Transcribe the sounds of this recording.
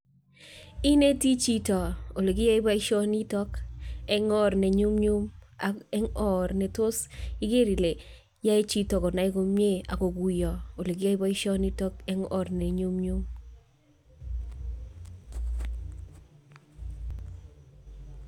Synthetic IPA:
i˦ne˦ti˦t͡ʃi˦tɔ˨o˨le˨kɪ˦a˦ɪ˦ba˦i˦ʃɔ˦ni˦tɔ˦kɛ˦ŋɔ˦ɾne˨ɲu˦mɲu˦maɛ˦ŋɔ˦ɾne˨to˦sɪ˦ɡe˦ɾi˨le˨ | ja˦i˦t͡ʃi˦tɔ˨kɔ˨na˨ɪ˦ko˨mje˦a̰˨ko˨ɡu˨jɔ˨o˨le˨k̬ɪ˦ja˦ɪ˦ba˦i˦ʃɔ˦ni˦tɔ˦kɛ˦ŋɔ˨ɾne˨ɲu˦mɲu˦m

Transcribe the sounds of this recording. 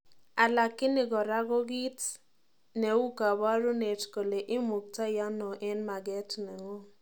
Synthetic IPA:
a˨la˨kːɪ˦nɪ˨ɡɔ˨ɾa˦ɡɔ˦ɡi˦t | ne˨wu˦ka˨ba˦ɾu˦ne˨tko˨le˨ʔɪ˦mu˨k̚ta˦ja˦nɔ˨ʔɛ˦nma˨ɡɛ˦tnɛ˨ŋɔ˦

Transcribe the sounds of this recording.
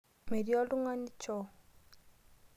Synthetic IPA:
me˨ɾi˦ɔ˦lu˦ŋwa˦ni˦t͡ʃɔ˨

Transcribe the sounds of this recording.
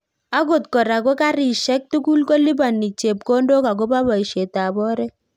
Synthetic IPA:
a˦ɡo˨tkɔ˨ɾa˨ko˦ka˦ɾi˨ʃɛ˦k̚tu˦ku˦lko˦li˦ba˨nːi˨t͡ʃe˨p̚ko˦ndo˦ka˨k̬o˦ba˦ba˨i˨ʃe˨ta˨bɔ˦ɾɛ˦

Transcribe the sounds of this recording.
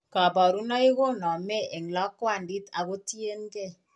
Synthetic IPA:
kɔ˨bɔ˨ɾu˦nɔ˦i˦ɣo˦nɔ˨me˦e˨ŋ˨lɔ˦kwa˦˨n̩˨di˦ta˨ɣo˦ti˦e˦n˦ke˦˨

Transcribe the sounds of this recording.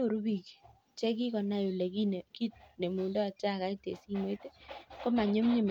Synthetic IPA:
o˨ɾu˦bi˨k | t͡ʃe˦k̬i˦kɔ˨na˦ju˨le˨ki˦n˨ki˦t̚ne˨mu˨ndɔ˦˨t͡ʃa˦˨ka˦i˦tḛ˨si˦mo˦i˦te˦ko˦ma˨ɲo˦mɲe˨m

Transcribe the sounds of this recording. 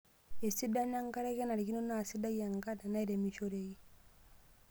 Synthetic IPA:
e˨si˦da˦ɲa˦ŋka˦ɾa˦kɛ˦na˨ɾi˨ki˦no˦na˦˨si˦da˦ja˨ŋka˦da˨na˦i˦ɾe˨mi˨ʃo˦ɾe˨i˦

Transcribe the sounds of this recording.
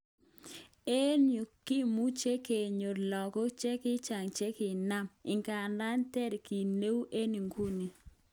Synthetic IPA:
e˦nju˨kːi˦mu˦t͡ʃe˦ke˨ɲo˨lɔ˨kɔ˦t͡ʃɛ˦kɪ˦t͡ʃa˨ŋt͡ʃe˦kɪ˨na˦˨mɪ˨ŋka˨nda˦ntɛ˦˨ɾki˨ne˦wʔe˦ni˨ŋɡu˦ni˨

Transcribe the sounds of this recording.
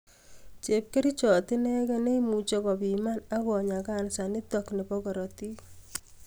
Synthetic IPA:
t͡ʃe˨p̚ke˦ɾi˦t͡ʃɔ˨tɪ˦nɛ˦kɛ˦ne˦imu˨t͡ʃɔ˦kɔ˨bima˦na˦kɔ˨ɲa˨ka˦nsa˨nɪ˦tɔkne˨pɔkɔ˨ɾɔ˨ti˦

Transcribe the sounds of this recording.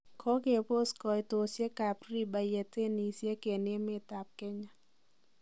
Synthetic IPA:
kʰɔ˧˦ke˧˨pʰo˥˧˨skɔ˧˨jt̪o˧si˧˦ə˦kaː˧˨pɾi˧˨ba˧˨je˧t̪e˥˧˨ni˧˨si˧˦ə˦ke˧˨ni˧˦ə˨me˧˨t̪a˧˨p̚kɛ˧˦ɲa˧˨

